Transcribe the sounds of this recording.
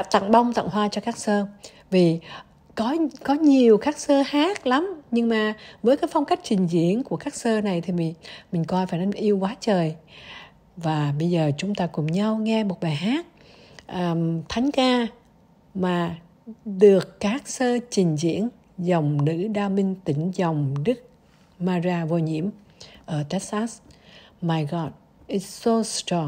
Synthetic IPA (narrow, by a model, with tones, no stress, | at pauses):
t̪a̰˧˨ŋɓa˧wŋ͡mt̪a̰˧˨ŋɦwaː˧t͡ɕɔ˧kaː˦˥k̚səː˧ | vi˨˩ | kɔ˨˦kɔ˨˦ɲi˨˩əwxaː˦˥k̚səː˧haː˦˥k̚la˨˦mɲɨ˧ŋmaː˨˩vəː˨˦jkaː˨˦jfa˧wŋ͡mka˦˥k̟̚t͡ɕï˨˩ŋ̟zḭ˧˥˨ənku˧˩əkaː˦˥k̚səː˧na˨˩jt̪ʰi˨˩mi˨˩mï˨˩ŋ̟kɔ˧jfaː˧˩jnə˧nʔi˧əwkwaː˨˦t͡ɕəː˨˩j | vaː˨˩ɓə˧jzəː˨˩t͡ɕʊ˨˦ŋ͡mt̪aː˧kʊ˨˩ŋ͡mɲa˧wŋɛ˧mo˨˩t̚ɓaː˨˩jɦaː˦˥t̚ | ʔəː˨˩t̪ʰa˨˦jŋ̟kaː˧ | maː˨˩ | ɗɨ˨˩əkːaː˦˥k̚səː˧t͡ɕï˨˩ŋ̟zḭ˧˥ən | zə˨˩wŋ͡mnɨ̰˧˥ɗaː˧mï˧ŋ̟t̪ï˧˩ŋ̟zə˨˩wŋ͡mɗɨ˦˥k̚ | maː˧zaː˧vo˧ɲḭ˧˥əm | ʔəː˧˩t̪ɛ˦˥t̚saː˦˥smaː˧jɣɔ˨˧˩t̚ | ʔi˧so˧stɔ˧